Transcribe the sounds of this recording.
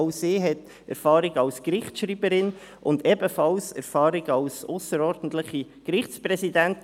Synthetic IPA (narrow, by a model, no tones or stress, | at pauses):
ʊsiːɦɛt | ɛ̰ɾfɑːɾɪɡɑlskɾɪχtʃɾiːbəɾɪn | ʔʊndɛbəfɑlsɛ̰ɾfɑːɾɪɡɑlsʊsəɾɔːɾdn̩t̪lɪχikɾɪχt͡spɾɛsidænt